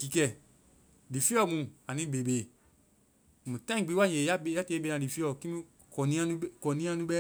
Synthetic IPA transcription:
ki˨˦kɛ˦˨ | di˨fi˦ɔ˦˨mũ˨˧˨a˨nĩ˦be˨beː˨ | mũ˨tã˦ĩ˦˨ɡ͡bi˨˦wa˦je˨ja˦be˦˨ja˦te˧˦be˧ã˧˨di˨fi˦ɔ˦˨ki˦mĩ˦ | kɔ˨nĩ˦ã˦nũ˦kɔ˨nĩ˦ã˧˦nũ˦ɓɛ˦

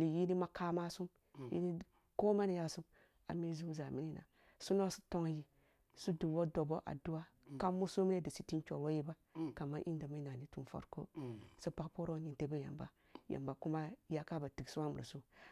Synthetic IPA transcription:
li˨ji˦ni˦ma˦ka˦ma˦su˦m | jḭ˦ni˦ | ko˦ma˦ni˨ja˦su˦m | a̰˨me˦zu˦za˨mi˦ni˦na̰˨ | su˦no˦su̥˦to˦ŋ˦ji˦ | su˦du˨wo˦do˨bo˦ʔa̰˨du˦wa˦ | ka˦mu˦su˦mi˦ne˦di˨si˨ti˦nt͡ʃo˨wo˦ji˦ba˦ | ka˨mːa˦ʔi˦n˦da˨mi˦na˨ni˦tu˨nfo̰˦ɾko̰˦so˦pa˦kpo˦ɾo˦ni˨nte˦be˦ja̰˨mba̰˨ | jʔa̰˨mba˨ku˦ma˦ja˦ka˦ba˨ti˨ksu˦wa˦mu˨ɾa̰˨su˦

